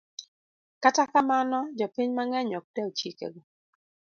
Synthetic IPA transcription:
katakamanɔd͡ʒɔpɪɲmaŋɛɲɔk̚dɛot͡ʃikḛɡo

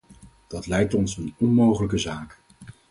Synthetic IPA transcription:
d̥ɑtlɛjk̚tɔnsənɔnmowχələk̬əzaːk

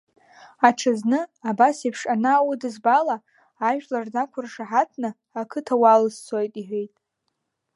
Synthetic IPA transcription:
aʈ͡ʂʰaznɨabasipʰʂanaːwʊdɨzbalaː | ʒᶣlardakʷʰʊrʂaħatʰnɨ | akʰɨtʰawalɨst͡sʰojtʼiħʷᶣejtʼ

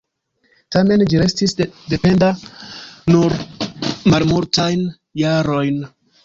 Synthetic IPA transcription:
tame̞nd͡ʒiɾe̞stisde̞pe̞nda | nuɾ | malmuɾtajn | jaɾo̞jn

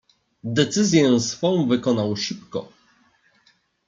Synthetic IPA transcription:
d̪ɛt̪sɘzʲjɛ̃sfɔ̃w̃vɘkɔnawʂɘpkɔ̰

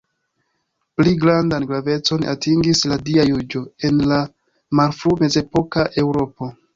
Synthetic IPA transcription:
pliɡɾandanɡɾave̞t͡so̞na̰tiŋɡisladiajud͡ʒo̞e̞nla | maɾfɾume̞ze̞po̞kaʔe̞wɾo̞po̞

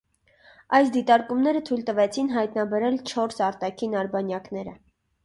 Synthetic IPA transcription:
ɑjsd̪it̪ɑɾkumnɛɾət̪ʰujlt̪əvɛt͡sʰinɦɑjt̪nɑbɛɾɛlt͡ʃʰɔɾsɑɾt̪ɑkʰinɑɾbɑnjɑkn̪ɛɾə̰

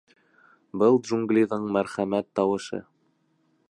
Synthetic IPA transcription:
bɤlˠd̪ʒuŋɡlʲiðɤɴmæɾχæmæt̪ːɑwɤ̆ʃɤ̰

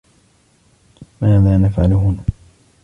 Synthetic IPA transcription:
maːðaːnafʕalɦʊn

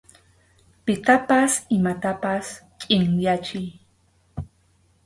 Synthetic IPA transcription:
pɪt̪apasɪmat̪apaskʼɪŋjat͡ʃɪj

